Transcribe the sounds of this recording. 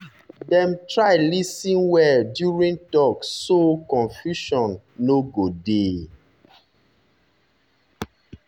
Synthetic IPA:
dɛ̃mtɹaɪlisĩnwɛdjuɹĩŋtɔksokɔ̃nfjuʃɔ̃nː | oɡode

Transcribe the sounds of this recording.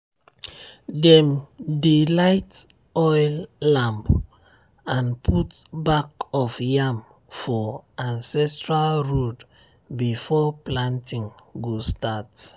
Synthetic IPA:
dɛ̃mdelaɪt | ɔjlːãmb | ãnpʰutbakɔfjam | fɔãnsɛstɹalɹod | bifɔplãntĩŋɡostat

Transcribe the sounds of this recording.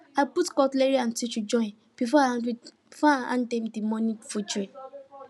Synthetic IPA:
aputkɔtleɾian̩tit͡ʃud͡ʒɔɪ̃n | b̥ifɔa | faaã̰ndɛmdimɔnifod͡ʒe

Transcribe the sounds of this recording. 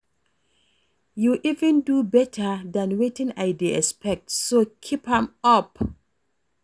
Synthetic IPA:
juʔivɛ̃ndubɛtʰədãnwetɪ̃ŋaɪdeɛspɛk̚tsokʰiphãmʌp

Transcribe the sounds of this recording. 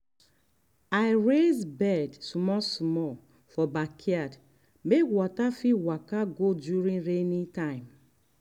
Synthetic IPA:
aɪɹezbɛdsumɔsmɔ | fɔbakʰiad | mekwɔtafiwakaɡodjuɾĩnɾenitãɪ̃m

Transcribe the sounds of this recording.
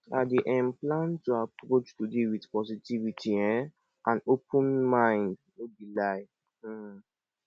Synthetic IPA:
adeʔɛ̃mplãntːuapɾot͡ʃtudewitpɔsitivitʰiɛ̃ | ʔãnopʰũnmãɪ̃nd | obilaj̩

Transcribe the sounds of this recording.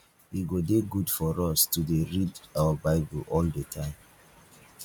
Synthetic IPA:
iɡodeɡudfɔɹɔstudeɹidawabaɪbəlʔɔldətʰãɪ̃m

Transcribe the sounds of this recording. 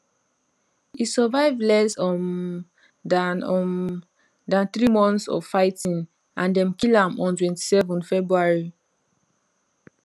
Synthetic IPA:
isɔvaɪvlɛsɔ | dan | dãnθɹimɔ̃nθsɔ̰vfaɪtĩn | ʔãndɛ̃mkilãmɔ̃ntwɛ̃nti̥sɛvɔ̃nfɛbɹuaɹi

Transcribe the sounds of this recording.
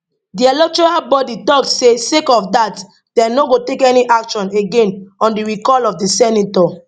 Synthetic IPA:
diɛlɛk̚tɔɹalbɔditɔksesekɔfdat | dɛ̃noɡotekɛniʔakʃɔ̃neɡẽnɔ̃ndiɹikɔlɔfdisɛnitɔ

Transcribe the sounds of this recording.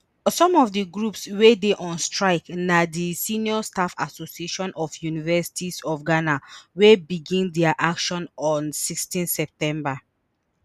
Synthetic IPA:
sɔ̃mɔfdiɡɹupswedeʔɔ̃nstɹaɪknadisiniɔstafa̰sosieʃɔ̃nʔɔfjunivɛsi̥tʰisɔfɡanawebiɡĩndɛaʔakʃɔ̃nɔ̃nsikstĩnsɛp̚tɛ̃mba

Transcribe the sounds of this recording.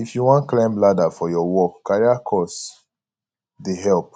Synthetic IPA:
ifjuwɔ̃nklãmbladafɔjɔwɔkkaɹiakʰɔs | deɦɛlp̚

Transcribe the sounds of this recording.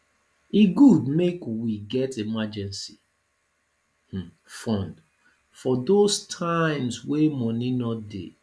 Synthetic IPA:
iɡudmekwiɡɛtemad͡ʒɛ̃nsi | fɔ̃nd | fɔdostʰãɪ̃mswemɔninɔt̚dḛ

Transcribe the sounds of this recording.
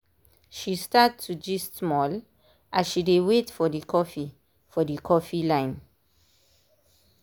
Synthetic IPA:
ʃistattʰːud͡ʒistmɔl | ʔaʃidewetfɔdikʰɔfi | fɔdikʰɔfilãɪ̃n

